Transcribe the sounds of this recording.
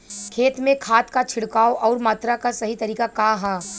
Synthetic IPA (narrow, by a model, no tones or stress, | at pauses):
kʰeːt̪mẽkʰaːt̪kat͡ʃʰɪɽkaːoʔɔːɾmaːt̪ɾakasɐɦit̪ɐɾiːkakaɦaː